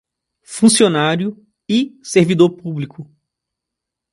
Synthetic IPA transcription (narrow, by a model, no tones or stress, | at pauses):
fũsionaɾjʊ | ɪseɾvid̪oɾpublikʊ